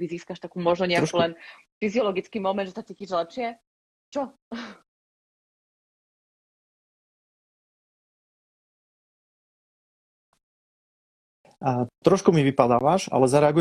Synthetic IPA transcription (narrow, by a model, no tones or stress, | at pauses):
iziːskaʃt̪akuːmɔʒnɔɲɛakulɛn | fiziɔlɔɡit͡skiːmɔmɛnd̪ʒɛsat͡siːciːʒlɛpʃɪɛ | t͡ʃɔ | t̪ɾɔʃkumiʋipad̪aːʋaʃa̰lɛzaɾɛaɡu